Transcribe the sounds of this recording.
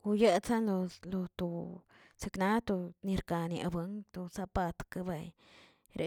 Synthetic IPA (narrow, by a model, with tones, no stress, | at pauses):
u˧je˦sa˦lo˧lo˧t̪u˧˨ | se˧kna˦t̪u˧ni˧ɾka˨˧ni˧a̰˧ba˧˦ŋt̪u˧sa˦pa˧t̪ka˦˧ba˨j | ɾe˨